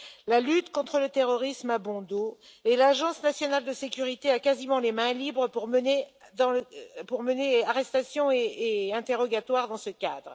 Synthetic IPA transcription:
lalyt̪kɔ̃t̪χələt̪eʁɔʁismabɔ̃d̪oelaʒɑ̃snasjɔnald̪əsekʲyʁit̪eakazimɑ̃lemɛ̃libʁəpuʁməned̪ɑ̃puʁməneaʁɛst̪asjɔ̃eːɛ̃t̪eʁɔɡat̪waʁd̪ɑ̃səkʲad̪ʁ

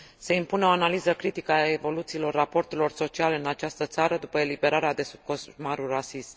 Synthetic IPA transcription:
seimpuneo̞analizəkɾit̪ikəae̞vo̞lut̪siːlo̞rːapo̞rt̪elo̞rso̞t͡ʃialeɨnat͡ʃast̪ət̪saɾəd̪upəe̞libe̞ɾaɾead̪e̞sub̚kosmaɾulrasism

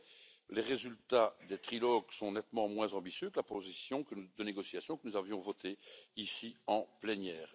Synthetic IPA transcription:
leʁezylt̪ad̪et̪χilɔɡsɔ̃nɛt̪mɑ̃mwɛ̃zɑ̃bisjøkəlapozisjɔ̃kəd̪əneɡɔsjasjɔ̃kənuzavjɔ̃vɔt̪eisiɑ̃plɛnjɛːʁ

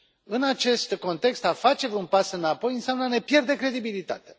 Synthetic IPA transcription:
ɨnat͡ʃe̞st̪ko̞nt̪e̞kst̪afat͡ʃe̞vunpasɨnapo̞jɨnseamnəne̞pje̞rd̪e̞kɾe̞d̪ibilit̪a̰t̪e̥

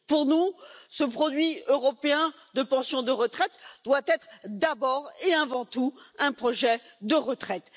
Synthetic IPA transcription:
puʁnusəpχɔd̪ɥiøʁɔpeɛ̃ | d̪əpɑ̃sjɔ̃d̪əʁət̪χɛt̪d̪wat̪ɛt̪χd̪abɔʁeavɑ̃t̪uɛ̃pχɔʒɛd̪əʁət̪χɛt̪

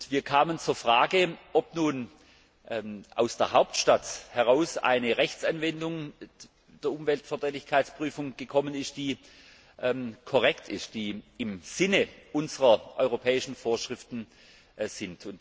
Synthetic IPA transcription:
tv̥iːɐkʰaːmənt͡suːɐfʁ̥aːɡəʔɔpnuːn | ʔɛʔa̰ʊsd̥eːɐɦaʊp̚tʃtathɛʁaʊsa̰ɪnəʁɛçt͡sanvɛndʊŋ | d̥eːɐʔʊmvɛltfɛɐd̥ʁɛːtɪçkʰaɪt͡spʁ̥yːfʊŋɡ̥əkʰɔmənɪst̚d̥iː | ʔɛmkʰoʁɛktʰɪ̰st̚d̥iːɪmz̥ɪnəʔʊnzəʁɐʔɔ̰ʏʁopʰɛːɪʃn̩foːɐʃʁ̥ɪftn̩ | z̥ɪntʰʊnt

